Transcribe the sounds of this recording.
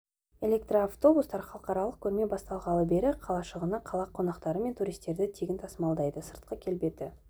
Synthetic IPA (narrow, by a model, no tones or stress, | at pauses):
e̞lʲe̞k̚t̪roaft̪o̞bust̪ɑɾχɑlˠəqɑɾɑlˠəq̚kʲʰɵɾme̞bɑst̪ɑlˠʁɑlˠəbe̞ɾɪqʰɑlˠɑʃəʁənɑqʰɑlˠɑqʰo̞nɑqt̪ɑɾəme̞nt̪ʰuɾijst̪e̞ɾd̪ɪt̪ʰeɡʲɪnt̪ʰɑsəmɑlˠd̪ɑjd̪əsəɾt̪qəkʲʰe̞lbe̞t̪ɪ